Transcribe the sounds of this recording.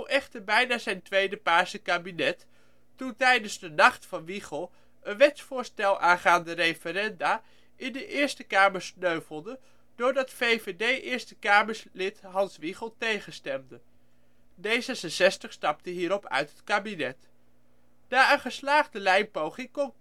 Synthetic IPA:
uwʔɛχtəɹbɛjnaːzɛjntʋejdəpaːɹsəkaːbinɛtː | untɛjdənzdənɑχtfɑnʋiχəlˠ | ənʋɛtsfʊːɹstɛlˠʔaːnχaːndərejfəɾɛndaː | ʔɪndəʔɪːɹstəkaːməɹsnøɥvəl̩ˠdə | dʊːɹdɑtfejvedejʔɪːɹstəkaːməɹslɪtɦɑnsʋiχəlˠtejχənstɛmdə | dejzɛsənsɛstəχstɑp̚təɦiːɾɔpœ̰ɥtɦətkaːbinɛt | naːənχəslaːχdəlɛjnpowχɪŋkɔm

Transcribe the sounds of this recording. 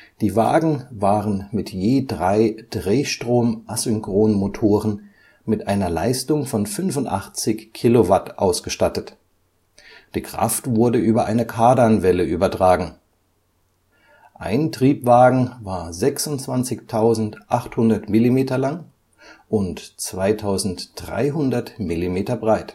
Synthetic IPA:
d̥iːvaːɡŋ̩vaːʁənmɪtjeːdʁaɪd̥ʁeːʃtʁ̥oːmʔazʏŋkʁ̥oːnmotʰoːʁən | mɪtʔaɪnɐla̰ɪstʊŋfɔnfʏnvʊntʔa̰χt͡sɪçkʰːilovatʔa̰ʊsɡ̥əʃtatət | d̥iːkʁ̥a̰ftv̥ʊɐdəʔyːbɐʔaɪnəkʰaɐdanvɛləʔyːbɐtʁ̥aːɡŋ̩ | ʔa̰ɪntʁ̥iːpv̥aːɡŋ̩vaːɐzɛksʊntt͡sv̥ant͡sɪçtʰaʊzn̩tʔaχthʊndɐtmɪlimeːtɐlaŋ | ʔʊntt͡sv̥aɪtʰaʊzn̩td̥ʁa̰ɪɦʊndɐtmilimeːtɐbʁaɪt

